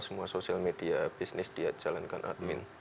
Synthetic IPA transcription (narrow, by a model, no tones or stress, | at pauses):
səmuasosialmed̥iab̥isnɪsd̥iɦat̪̚ʒ̥alanka̰nʔa̰t̪̚mɪn